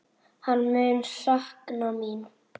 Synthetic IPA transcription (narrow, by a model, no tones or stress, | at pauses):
hanmønsahknɔmin